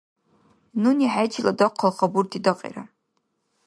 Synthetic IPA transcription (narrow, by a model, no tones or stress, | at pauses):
nuniħajd͡ʒʰiladɐqʰːəlχaburtʰidɐqʼḛɾa